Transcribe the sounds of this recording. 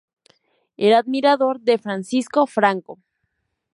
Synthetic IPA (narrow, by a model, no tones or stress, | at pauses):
elaðmiɾaðo̞ɾðefɾansiskofɾaŋko